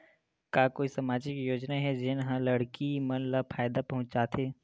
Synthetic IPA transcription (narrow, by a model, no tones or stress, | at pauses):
kaːkoːisɐmaːd͡ʒɪkjoːd͡ʒnaɦɛd͡ʒɪnɦãlɐɽkimɐnlapʰaːjɪd̪apɐɦʊ̃t͡ʃd͡ʒaːt̪ʰeː